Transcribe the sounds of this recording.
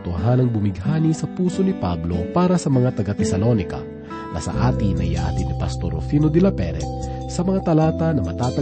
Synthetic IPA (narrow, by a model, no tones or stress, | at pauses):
t̪ʊɦanɐŋbʊmɪɡhaːnisɐpuːso̞nɪpablo̞paːɾɐsɐmɐŋat̪ɐɡat̪ɛsɐlo̞nɪkɐ̰ | nɐ̰sɐ̰ʔaːt̪inɐ̰jɐ̰ʔa̰ːt̪inipɐ̰st̪oɾo̰fiːnod̪ɪlɐpɛ̰ɾɛ̰t̪̚sɐmɐŋat̪ɐlaːt̪ɐnɐmɐt̪aːt̪ɐ